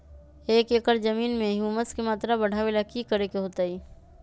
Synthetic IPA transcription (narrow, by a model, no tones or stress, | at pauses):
eːkeːkəɾd͡ʒəmiːnmẽɦjuːməskemaːt̪ɾabɐɽ̤ʱaʋelakikəɾekeɦoːt̪aiː